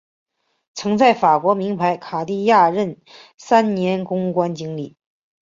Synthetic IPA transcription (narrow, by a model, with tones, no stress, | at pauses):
t͡sʰɤ˧˥ŋt͡sa˥˩ɪfa˨˩kwɔ˧˥mi˧˥ŋpʰa˧˥ɪkʰa˨˩li˥˧ja˥˧ɻə˥˩n | sa˥nnjɛ˧˥nkʊ˥ŋkwa˥nt͡ɕi˥ŋli˥˩